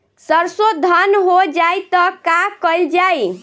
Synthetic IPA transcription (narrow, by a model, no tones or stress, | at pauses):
səɾsod̪ʱənɦod͡ʒajt̪ɔkakəld͡ʒaj